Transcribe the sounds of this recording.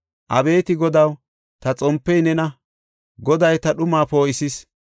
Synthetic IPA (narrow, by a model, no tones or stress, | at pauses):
ʔɐbe̞ːt̪ɪɡɔd̪ɐw | t̪ɐt͡sʼɔmpːɛjnɛnɐ | ɡɔd̪ɐjt̪ɐɗʊmaːpoːɪsɪs